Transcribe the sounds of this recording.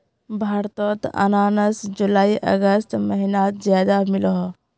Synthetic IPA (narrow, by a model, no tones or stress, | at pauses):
bʱaːɾt̪ot̪ə̰naːnəsd͡ʒulaːiʔə̰ɡəst̪məɦinat̪zjaːd̪amɪlɔɦ